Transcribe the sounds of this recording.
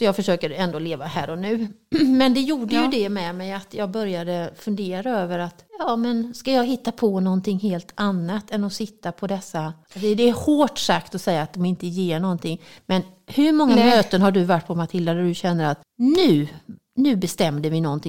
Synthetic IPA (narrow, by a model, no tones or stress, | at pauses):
sɔjɑːɡfœʂøːkəɾɛnd̪oːleːvahæːɾɔnʉ̟ː | mɛnd̪ɛjuːɖəjɵd̪ɛmɛmɛjat̪jɑːɡbœɾjad̪əfɵnd̪eːɾaøːvəɾat̪jɑːmɛnskajɑːɡɦɪt̪ːapʰɔnɔnt̪ʰɪŋɦeːlt̪ʰanːat̪ɛnːɔsɪt̪ːapʰɔd̪ɛsːad̪ɛːhoːʈsakt̪ɔsɛjːaːt̪̚d̪ɔmɪnt̪əjeːɳɔnt̪ʰɪŋːmɛn | hɵɾmɔŋːamøːt̪ənɦaɖɵvaʈːpʰɔmat̪ʰɪlːaɾɛdɵɕɛnːəɾat̪ | nʉ̟ː | nʉ̟ːbɛst̪ɛmd̪əvɪnɔnt̪ʰɪŋ